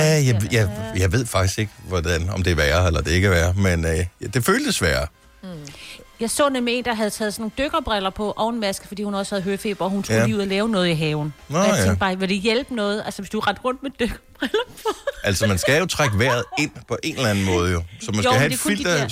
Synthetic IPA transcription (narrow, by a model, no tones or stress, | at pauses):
æjɑɪjɑjɑ̈ɪʋe̝ð̞̰ˠfɑ̈ɡ̥isɡ̥e̝ɡ̥əʋɒd̥ænɒ̽md̥e̝ʋæːɐelɐd̥e̝e̝ɡ̥əʋæːɐmend̥e̝føːld̥əsʋæːɐ | jɑ̈ɪsɔ̰ːnemee̝ːnd̥ɑ̈ɦæð̞̩ˠt͡sʰɛːð̞̩ˠsɒnːo̝ːn̩d̥øɡ̥ɐb̥ʁelɐpʰɒ̽ʔɒʊe̝nmæsɡ̥ə̥fɒ̽d̥ḭːhunɒ̽sə̥hæð̞̩ˠɦøːfe̝̰ːb̥ɐɒ̽hunt͡sʰːḭuðˠɐlɛːʊnɔ̽ːðˠiɦɛːʊn̩ʰḛ̥b̥ɑ̈ʋeld̥ejelb̥ənɔ̽ːð̞̩ˠælsəʋesd̥uɑ̈ʁɑd̥ʁɔ̽n̰d̥med̥øɡ̥ɐb̥ʁɛlɐpʰɔʔæl̰smænsɡ̥æjo̝t͡sʰʁaɡ̥ʋæɐ̰ð̞̩ˠe̝n̰pʰɒ̽ʔe̝ːnlæn̩mɔ̽ːð̞̩ˠjo̝sɒ̽mænsɡ̥æhæfil̰d̥ɐ